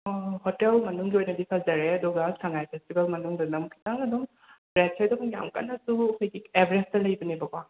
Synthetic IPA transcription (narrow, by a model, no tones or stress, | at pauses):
hɔtelmɐnuŋɡiojnɐdipʰazɐɾeɐdɔɡaskʰaŋajpʰestibɐlmɐnuŋdɐnɐmkʰi̥taŋɐdɔm | bɾet̚kʰedɐbuŋja̰mka̰nːɐsuɐkʰojɡiebʱɾestɐlɐjbɐnibɐɡwa